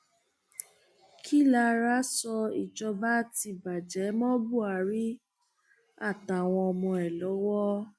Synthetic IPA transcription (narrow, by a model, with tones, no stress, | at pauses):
kʰi˦˨la˧ɾa˦sɔ˧ḭ˨d͡ʒɔ˧ba˦ti˧ba˨d͡ʒɛ˨˦mɔ̃˦bu˦˨a˨˦ɾi˦ | a˦˨ta˨w̃ɔ̃˧ɔ˧mɔ̃˧ɛ˨lɔ˨˦wɔ˦